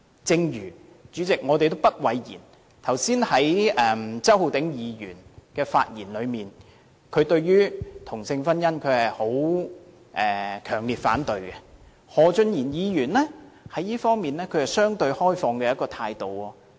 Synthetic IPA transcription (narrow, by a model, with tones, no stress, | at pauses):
t͡sɪ˧ŋjyː˨˩ | t͡ʃyː˨˥t͡sɪ˨k̚ŋɔː˨˧t̪e˨jt̪o˥wpɐ˥t̚wɐ˨˧jjḭː˨˩n | t̪ʰɐ˨˩wsiː˥nhɐ˨˥jʔɛ˨mt͡sɐ˥whu˨˧wt̪ɪ˨˥ŋjiː˨˧jy̰ː˨˩nkɛː˧fa̰ː˧t̚jiː˨˩nlɵ˨˧ɥmiː˨n | kʰɵ˨˧t̪ɵ˧ɥjyː˥t̪ʰʊ˨˩ŋsɪ˧ŋfɐ˥njɐ˥nkʰɵ˨˧ɥhɐ˨jho˨˥w | ʔɛː˨kʰœː˨˩ŋliː˨t̚faː˨˥nt̪ɵ˧ɥkɛ˧ | hɔː˨˧t͡ʃɵ˧njiː˨˩njiː˨˧jyː˨˩nlɛː˥hɐ˨˥jiː˥fɔː˥ŋmiː˨nlɛː˥kʰɵ˨˧ɥhɐ˨jsœː˥ŋt̪ɵ˧ɥhɔː˥jfɔː˧ŋkɛː˧jɐ˥kːɔː˧t̪ʰaː˧jt̪o˨wɔː˧